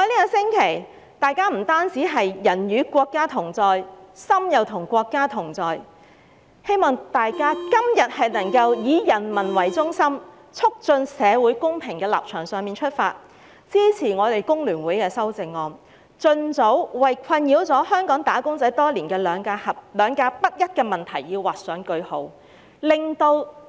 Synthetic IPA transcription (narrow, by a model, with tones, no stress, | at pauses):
hniː˥kɔː˧sɪ˥ŋkʰe˨˩j | t̪aː˨˧jkaː˥m̩˨˩t̪aː˥nt͡siː˨˥ɦɐ˨jːɐ˨˩njyː˨˧kʷɔː˧kːaː˥t̪ʰʊ˨˩ŋt͡sɔː˨˧jsɐ˥mjɐ˨wt̪ʰʊ˨˩ŋkʷɔː˧kːaː˥t̪ʰʊ˨˩ŋt͡sɔː˨j | he˥jmɔː˨ŋt̪aː˨jkaː˥kɐ˥mjɐ˨t̚hɐ˨jnɐ˨˩ŋkɐ˧wjiː˨˧jɐ˨˩nmɐ˨˩nwɐ˨˩jt͡sʊ˥ŋsɐ˥m | t͡sʰʊ˥k̚t͡sɵ˧nsɛː˨˧wu˨˥jkʊ˥ŋpʰɪ˨˩ŋkɛː˧la̰ː˨p̚t͡ʃʰœː˨˩ŋsœː˨ŋmiː˨nt͡ʃʰɵ˥t̚fa̰ː˧t̚ | t͡siː˥t͡sʰiː˨˩ŋɔː˨˧t̪e˨jkʊ˥ŋlyː˨˩nwuː˨˥jkɛː˧sɐ˥wt͡sɪ˨˩ŋːɔː˧m | t͡sɵ˧nt͡so˨˥wwɐ˨jkʷʰɐ˧njiː˨˧˥wt͡sɔː˨˥hœː˥ŋkɔː˨˥ŋt̪aː˨˥kʊ˥ŋt͡sɐ˨˥jt̪ɔː˥liː˨˩nkɛː˧lœː˨˧ŋka˧hɐ˨p̚lœː˨˧ŋkaː˧pɐ˥t̚jɐ˥t̚kɛː˧mɐ˨˩nt̪ʰɐ˨˩jjiː˧wwaː˨t̚sœː˨˥ŋkɵ˧ɥho̰˨˥w | lɪ˨˩ŋt̪o˧w